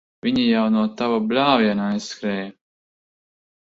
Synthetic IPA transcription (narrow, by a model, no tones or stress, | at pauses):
vʲiɲijawnuɔt̪avablʲaːvjɛnaajskɾɛːj